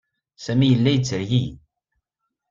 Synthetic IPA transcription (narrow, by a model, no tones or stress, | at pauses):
sæmijəlːæjət͡sːəɾʝi